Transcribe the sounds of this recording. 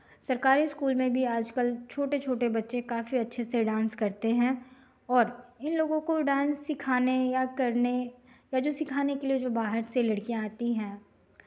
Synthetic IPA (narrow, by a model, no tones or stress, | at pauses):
sɐɾkaːɾiɪskuːlmẽbʱiaːd͡ʒkəlt͡ʃʰoːʈet͡ʃʰoːʈebɐtːʃekaːfiɐtːʃʰeseɖãːnskɐɾt̪eɦɛ̃ː | ɔːɾɪnloːɡõkoɖãːnsːɪkʰaːnejakɐɾnejad͡ʒoːsɪkʰaːnekelied͡ʒoːbaːɦəɾselɐɽkijãaːt̪iɦɛ̃ː